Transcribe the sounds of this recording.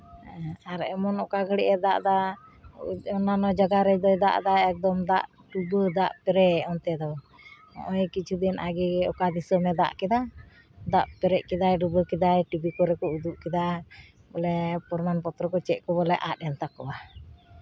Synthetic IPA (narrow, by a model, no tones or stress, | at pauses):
aɾɛmɔnɔkaɡʱəɽɛʔɛd̪aʔd̪a | ɔnanɔd͡ʒaɡaɾɛd̪ɔjd̪a̰ʔd̪aɛk̚d̪ɔmd̪aʔ | ɖubəd̪aʔpɛɾɛʔɔnt̪ɛd̪ɔ | ɔ̰ʔɔjkit͡ʃʰud̪inʔaɡiɔkad̪isɔmɛd̪a̰ʔkɛd̪a | d̪aʔpɛɾɛʔkɛd̪ajɖubəkɛd̪ajʈibikɔɾɛkɔud̪uʔkɛd̪a | bɔlɛpɔɾmanpɔt̪ɾɔkɔt͡ʃɛʔ̚kɔbɔlɛʔat̪̚ɛnt̪akɔwa